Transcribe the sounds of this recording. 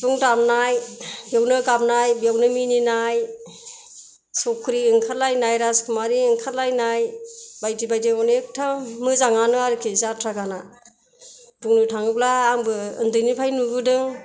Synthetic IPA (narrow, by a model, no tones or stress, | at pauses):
b̥uŋdamnajbjawnɯɡamnajbjawnɯmininaj | sɔkʰːɯɾiɯŋkʰalajnajɾaskʰɯmaɾiɯŋkʰatlajnajbajdibajdiɔnek̚tʰamɯzaŋanɯaɾɯkʰizatʰɾaɡana | b̥uŋnɯtʰaŋɯplaːŋbɯɯndɯjnipʰajnubɯdɯŋ